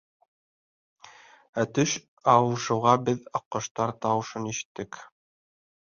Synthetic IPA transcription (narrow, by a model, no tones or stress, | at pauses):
æt̪ɵʃ | ɑwɤ̆ʃɤ̆wʁɑbɘðɑqːɤ̆ʃt̪ɑɾt̪ɑwɤ̆ʃɤniʃɘ̥̆t̪ːɘk